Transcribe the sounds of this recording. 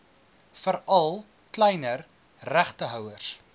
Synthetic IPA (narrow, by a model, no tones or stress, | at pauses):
fəɾɐlˠ | klɛjnər | ræχtəɦœwərs